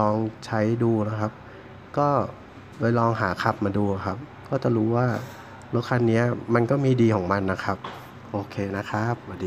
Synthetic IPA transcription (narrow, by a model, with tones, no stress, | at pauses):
lɔː˧ŋt͡ɕʰa˦˥jduː˧la˦˥kʰa˦˥p̚ | kɔː˥˩ | pa˧jlɔː˧ŋɦa̰ː˩˦kʰa˧˥p̚maː˧duː˧a˨˩kʰa˦˥p̚kɔː˥˩t͡ɕa˨˩ɾuː˦˥waː˥˩ | lɛ˦˥kʰːa˧nːi˦˥ɐma˧nkɔː˥˩miː˧diː˧kʰɔː˩˦ŋma˧nːa˦˥kʰa˦˥p̚ | ʔoː˧kʰeː˧na˦˥kʰa˦˥p̚wa˧˩diː˧